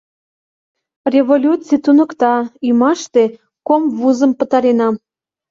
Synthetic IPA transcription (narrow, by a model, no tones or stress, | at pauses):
rʲevolʲut͡sit̪unə̆kt̪ɑyjmɑʃt̪e̽ | komvuzə̆mpə̆t̪ɑɾenɑ